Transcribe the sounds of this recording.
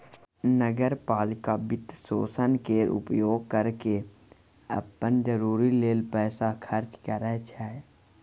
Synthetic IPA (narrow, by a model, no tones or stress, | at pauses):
nəɡəɾpaːlɪkabɪt̪ːso̰ːsənkeʔʊ̰pjoːɡ̚kəɾke | ə̰pːənd͡ʒəɾuːɾileːlpɛːsakʰəɾt͡ʃkəɾɛt͡ʃʰɛː